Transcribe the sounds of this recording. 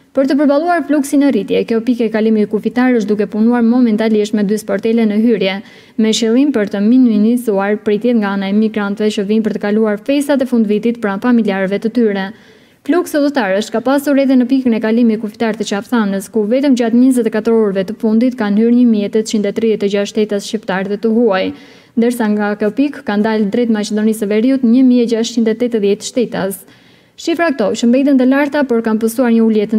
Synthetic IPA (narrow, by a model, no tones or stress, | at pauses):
pəɾt̪əp̬əɾbalˠuaɾfluksinərit̪jɛkjɔpikɛɛkalimikufit̪aɾəʃ̬d̪ukɛpunuaɾmɔmɛnt̪aliʃt̪mɛd̪yspɔɾt̪ɛlɛnəɦyɾjɛ | mɛʃilˠimpəɾt̪əmininizuaɾpɾit̪jɛt̪ŋɡaanaɛmiɡɾant̪vɛt͡ʃəvinpəɾt̪əkaluaɾfɛst̪at̪̬ɛfund̪vit̪it̪pɾanfamiljaɾvɛt̪ət̪yɾɛ | fluksəðət̪aɾəʃt̪̚kapasuɾɛðɛnəpikənɛkalimikufi̥t̪aɾt̪ət͡ʃafθanəskuvɛt̪əmd͡ʑat̪ɲəzɛt̪ɛkat̪əɾɔɾvɛt̪əfund̪it̪kanhyɾɲəmiɛt̪ɛt̪t͡ɕind̪ɛt̪ɾiðɛt̪ɛd͡ʑaʃt̪ɛt̪asʃt͡ɕipt̪aɾðɛt̪əɦuaj | nd̪əɾsaŋɡakɔpikkand̪ald̪ɾɛt̪mat͡ʃɛd̪ɔnisəvɛɾiut̪ɲəmiɛd͡ʒaʃt͡ʃind̪ɛt̪ːɛt̪əðjɛt̪ʃt̪ɛt̪as | ʃifɾak̚t̪ɔt͡ʃəmbɛt̪ənt̪əlaɾt̪apɔɾkanpəsuaɾɲəuljɛt̪